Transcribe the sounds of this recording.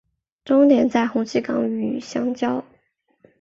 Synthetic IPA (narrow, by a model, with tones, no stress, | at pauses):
ʈ͡ʂʊ˥ŋnjɛ˧˥nt͡sa˥˩ɪxʊ˧˥ŋt͡ɕʰi˥˩kɑ̰˧˥ŋy˨˩ɕjɑ˥ŋt͡ɕjɑ˥ʊ